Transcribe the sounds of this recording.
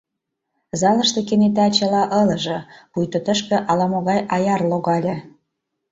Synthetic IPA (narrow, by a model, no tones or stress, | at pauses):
zɑləʃt̪ekenet̪æt͡ɕə̆lɑʔɤlə̆ʒɤ̆pujt̪ot̪əʃkĕʔɑlɑmoɣɑjɑjɑrloɣɑlʲĕ